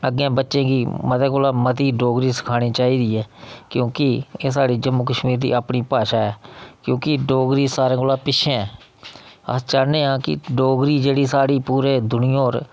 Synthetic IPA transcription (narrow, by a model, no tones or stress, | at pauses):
əɡːẽːbətːʃẽːɡiːmət̪ẽːkoːlaːmət̪iːɖoːɡɾiːsə̥kʰaːɽ̃iːt͡ʃaːiːd̪iːɛːkjõːkɪeːs̬aːɽiːd͡ʒəmːukəʃmiːɾd̪ḭːaːpɳiːpaːʃaːɛːkjõːkɪɖoːɡɾiːsaːɾẽːkoːlaːpɪʃʰẽːɛː | ə̰t͡ʃaːneːãːkɪ̰ɖoːɡɾiːd͡ʒeːɽiːsaːɽiːpuːɾeːd̪ʊnɪjoːɾ